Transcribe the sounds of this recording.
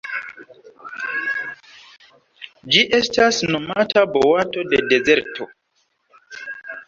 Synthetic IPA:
d͡ʒiʔe̞stasno̞matʰabowato̞dede̞ze̞ɾtʰo

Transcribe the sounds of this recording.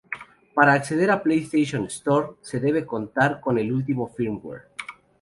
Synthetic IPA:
paɾaːkse̞ð̞e̞ɾaplejst̪eʃonest̪oɾse̞ðe̞β̞e̞ko̞nt̪aɾko̞ne̞lult̪̬imo̞fiɾmwḛɾ

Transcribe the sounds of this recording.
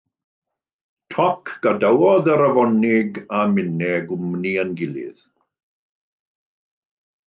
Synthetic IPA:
tʰɔkʰɡ̥adawɔðəɾavɔnɪɡamɪnɛɡʊmniənɡɪlˠɪ̰ð̥

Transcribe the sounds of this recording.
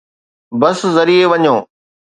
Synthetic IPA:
bɐszɐɾieʋɐɲõː

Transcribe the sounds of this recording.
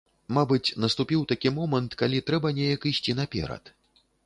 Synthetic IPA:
mabɨt͡sʲnɐst̪upʲiwt̪akʲimɔmɐnt̪kalʲit̪ɾɛbɐnʲejɐkisʲt͡sʲinɐpʲɛ̰ɾɐ̰t̪

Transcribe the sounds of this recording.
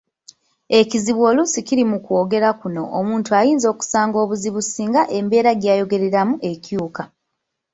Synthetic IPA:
e̞ciziβwo̞lusiciɾimukwo̞ːɡe̞ɾakuno̞̰ʔomuːntuajiːnzo̞ːku̥saːŋɡo̞ːβuziβusiːŋɡaʔe̞mbe̞ːɾaɡjaːjo̞ɡe̞ɾe̞ɾamuʔe̞cjuːka

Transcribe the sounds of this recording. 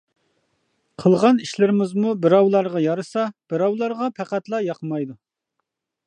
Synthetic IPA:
qʰəlˠʁɑniʃlɪɾɪmɪzmubɪɾɑwlˠɑɾʁɑjɑɾɨsɑb̥ɪɾɑwlˠɑɾʁɑpʰæqæt̪lˠɑjɑqʰəmɑjd̪u

